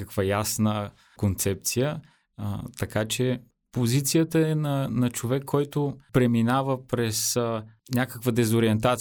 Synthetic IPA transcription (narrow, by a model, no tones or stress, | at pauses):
əkvəjasnə | kont̪sɛp̚t̪sijə | t̪ɐkat͡ʃɛ | pozit̪sijət̪əɛnɐnɐt͡ʃovɛkʰːɔjt̪oʊpɾɛminavəpɾɛs | nʲakəkvəd̪ɛzoɾiɛnt̪at̪